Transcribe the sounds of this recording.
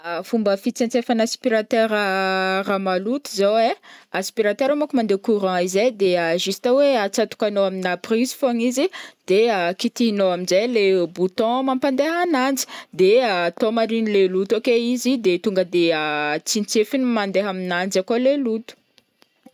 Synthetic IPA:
fumbəfit͡sẽnt͡sefanaspiɾat̪eɾəramalut̪uzoweaspiɾat̪eɾamakumand̪ekuɾɑ̃izejd̪eəʒist̪aweat͡sat̪u̥kanoaminaprizi̥foŋizid̪̥eakit̪inoaminzejlebut̪ɔ̃mampand̪eɦanand͡zi̥d̪eat̪omaɾinilelut̪okeizid̪et̪uŋɡəd̪eət͡sint͡sefinimand̪eɦaminand͡ʒakolelut̪u̥

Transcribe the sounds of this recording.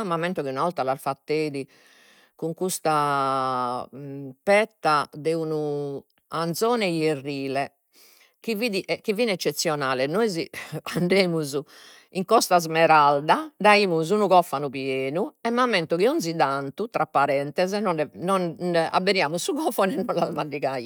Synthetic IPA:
mːamɛnt̪ɔkiunavɔlt̪alaɾfat̪ːeːði | kuŋkust̪a | pɛt̪ːad̪ɛunu | anzɔːnɛjerːiːlɛ | k̟iviːðiʔɛkivːiːnɛt͡ʃːet̪sːjɔnaːlɛnojziaɳɖeːmuzu | iŋkɔst̪azmɛɾald̪ad̪aiːmuz̬unuɣɔfːanupjeːnuɛmːamːɛnt̪ukiɔnd̪zid̪ant̪ut̪ɾapːaɾɛnt̪ɛzɛnɔnɛnɔna̰bːɛɾjaːmusːuɣɔfɔnɛnːɔnlazmanɖiɣaj

